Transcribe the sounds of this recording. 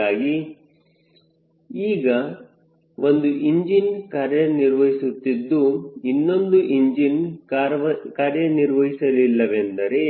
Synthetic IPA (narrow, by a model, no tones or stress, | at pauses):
aːɡi | iːɡɐ | ʋo̞nd̪uʔiɲd͡ʒinkaːɾjɐniɾʋɐɦisut̪ːid̪ːuinːo̞nd̪uʔiɲd͡ʒinɐkaːɾjɐniɾʋɐɦisɐlilːɐʋe̞nd̪ɐɾe̞